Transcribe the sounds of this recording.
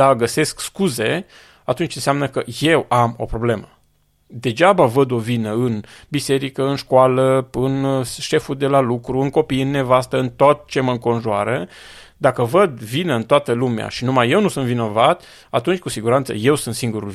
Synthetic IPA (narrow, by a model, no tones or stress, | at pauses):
aɡəse̞skskuze̞ | at̪unt͡ʃɨnseamnəkəje̞wamo̞̰pɾo̞ble̞mə | d̪e̞d͡ʒabavəd̪o̞vinəɨnbise̞ɾikəɨnʃkoaləɨnʃe̞fud̪e̞lalukɾuɨŋko̞pijɨnːe̞vast̪əɨnt̪ot̪̚t͡ʃe̞məɨŋko̞nʒuaɾə | d̪akəvəd̪vinəɨnt̪oat̪əlumea̰ʃinumaje̞wnusunvino̞vat̪ | at̪unt͡ʃʲkusiɡuɾant̪sə̰je̞wsunt̪siŋɡuɾul